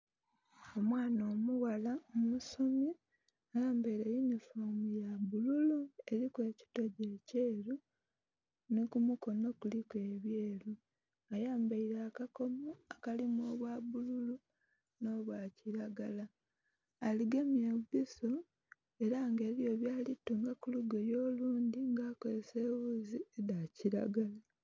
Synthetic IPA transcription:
o̞mwaːno̞ːmuwalaomusomi | ajaːmbaiɾejunifomujaβululue̞ɾikwe̞ːci̥to̞ɟeːceːɾu | nikumuko̞no̞kulikwe̞ːβjeːɾu | ajaːmbaiɾaːkako̞moakalimoːβwaβululu | no̞ːβwaciɾaɡalaː | liɡemiebiso | e̞ɾaŋɡe̞ːβjo̞ːβjaːlituŋɡakuluɡojo̞ːluːndiŋɡaːkozese̞ːβuziedaciɾa̰ɡala

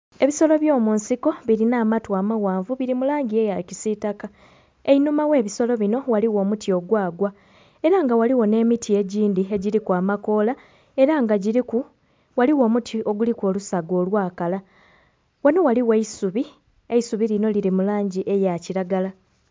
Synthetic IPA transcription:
e̞βiso̞lo̞βjo̞ːmunsiko̞βiɾinaːmatwaːmawaːɱvuβiɾimulaːɲɟie̞jacisitaka | einumawe̞ːβiso̞lo̞βino̞waliwo̞ːmutʰio̞ɡwaːɡwa | e̞ɾaŋɡawaliwo̞ne̞ːmitʰie̞ɟiːndie̞ɟiɾikwaːmako̞la | e̞ɾaŋɡaɟiɾiku | waliwo̞ːmutʰio̞ɡulikwo̞lusaɡo̞ːlwaːkala | wano̞waliweisuβi | eisuβilino̞liɾimulaːɲɟiʔe̞jaciɾaɡala

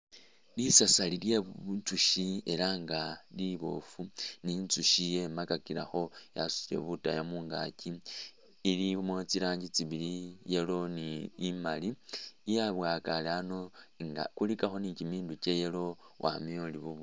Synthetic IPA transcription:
lisasalilje̞ββut͡suʃie̞laŋɡaliβo̞̰funint͡suʃije̞makakiɾa̰xo̞jasu̥ie̞̰βuta̰jamuːŋɡa̰ciː | limot͡siɾaːɲɟit͡siβilijelo̞niːmalijaβwaːkalano̞ŋa̰kulikaxo̞nicimiːnduce̞jelo̞ | wʔa̰mioliβuβu

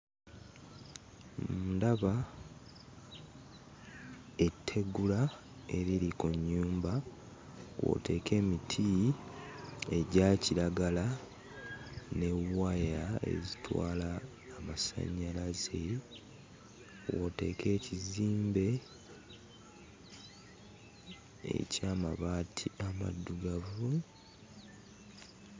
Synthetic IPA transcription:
mmudaβa | etʰːe̞ɡula | e̞ɾiɾikuɲːuːmba | wo̰te̞ːkʰe̞ːmitʰi | e̞ɟaːciɾaɡala | ne̞wajae̞̰zitwa̰ːlaː | masa̰ɲːalaze | wote̞̰ːkʰe̞ːciziːmbe̞ | ḛcaːmaβaːtʰiama̰dːuɡavu

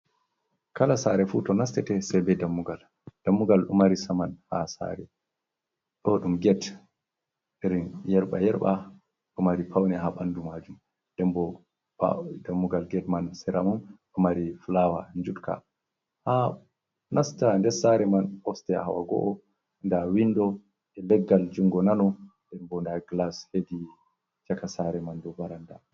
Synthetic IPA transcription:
kalasaɾɛfutɔnastɛtɛsɛbɛdamːuɡal | d̥amːuɡalɗṵmaɾisamanhasa̰ɾɛ | ɗɔɗumɡɛt | iɾinjɛɾɓajɛɾɓa | ɗumaɾipʰawnɛɦaɓanːdumaːd͡ʒum | dɛmbɔ | a̰damːuɡalɡɛtmansɛɾamumɗɔmaɾifulawa̰nd͡ʒutka̰ | ha | nastandɛsaɾɛmanɔstɛa̰ha̰wa̰ɡɔ̰ʔɔ | ndawinːdɔ | ʔɛlɛɡːald͡ʒuŋɡɔnanɔndɛnbɔndaɡlashedi | t͡ʃakasaɾɛmandɔbaɾanda̰

